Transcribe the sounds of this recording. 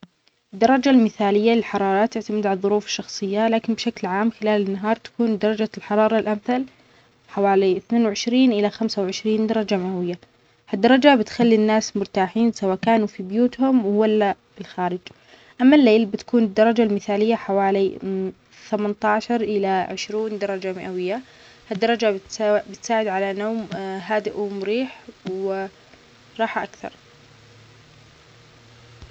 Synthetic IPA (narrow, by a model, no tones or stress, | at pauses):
ɪd̪ːɑɾˤɑd͡ʒalmɪθaːlɪjːalɪlħɑɾˤɑːɾˤɑt̪ːɪʕt̪amɪd̪ʕalðˤːʊɾuːfɪ̥ʃːɑxsˤɨjːalaːkɪnbʃaklʕaːmxɪlaːlɪnːaɦɑːɾˤt̪ḁkuːnd̪ɑɾˤɑd͡ʒalħɑɾˤɑːɾˤɑlʔamθal | ħawaːliɪθneːnwʕɪʃɾiːnʔɪlaxamsawʕɪʃɾiːnd̪ɑɾˤɑd͡ʒamawɪjːa | had̪ːɑɾˤɑd͡ʒabɪt̪xalːinːaːsmʊɾt̪aːħiːnsawaːkaːnufibjuːt̪hʊmwwalːa | ɪlxaːɾɪd͡ʒ | ʔamːalːeːlbɪt̪ḁkuːnɪd̪ːɑɾˤɑd͡ʒalmɪθaːlɪjːaħawaːli | θamant̪ɑːʃɑɾˤʔɪlaʕɪʃɾiːnd̪ɑɾˤɑd͡ʒamɪʔawɪjːa | had̪ːɑɾˤɑd͡ʒabɪt̪abɪt̪saːʕɪd̪ʕalanoːmɦaːd̪ɪʔumʊɾiːħwɪ | ɾˤɑːħʔakθɑ̰ɾˤ